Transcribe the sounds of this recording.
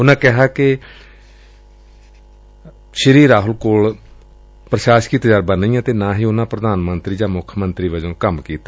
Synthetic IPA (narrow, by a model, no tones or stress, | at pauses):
ʊnãːkɛɦaːkɪ | ʃəɾiːɾaːɦʊlkoːl | pɾəʃaːʃkiːt̪d͡ʒaːɾbəniːjãːt̪eːnãːɦiːʊnãːpɾəd̪aːnmənt̪ɾiːd͡ʒãːmʊkʰːmənt̪ɾiːʋəd͡ʒõːkəmkiːt̪ː